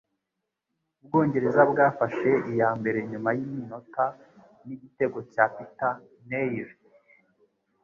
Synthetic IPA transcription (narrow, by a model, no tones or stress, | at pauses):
ub̚ɡo̞ːɲɟe̞ɾe̞zabɡaːfaʃe̞ijaːmbe̞ɾe̞ɲumajimino̞ta | niɟite̞ɡo̞caːpita | nejɾ